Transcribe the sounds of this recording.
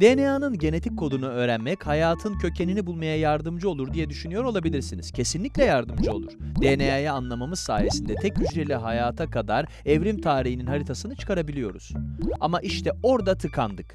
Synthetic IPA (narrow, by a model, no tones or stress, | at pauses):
d̪̥enejaːnɯnɟe̞ne̞t̪ʰikʰːo̞d̪unuø̞ːɾænmɛchajaːt̪ʰɯncʰø̞cʰe̞ninibulˠmajajaɾd̪ɯmd͡ʒɯo̞lˠuɾd̪ijɛd̪yʃynyjo̞ɾo̞lˠabilʲiɾsinḭz̥cʰe̞sinlʲiclʲɛjaɾd̪ɯmd͡ʒɯo̞lˠuɾ̥d̪enejajaːnlˠamamɯz̥sa̰ːje̞sind̪ɛt̪ʰɛc̚ɟyt͡ʃd͡ʒelʲiɦajaːt̪ʰakad̪aɾ | ɛvɾimt̪ʰaːɾiɦininɦaɾit̪ʰasɯnɯt͡ʃʰɯ̥kʰaɾabilʲijo̞ɾṵz̥a̰maʔiʃt̪ʰɛo̞ɾd̪at̪ʰɯkʰand̪ɯk